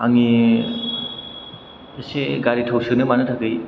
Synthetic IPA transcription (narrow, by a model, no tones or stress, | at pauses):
aŋi | seɡaɾitʰawsɯnɯmanɯtʰakɯj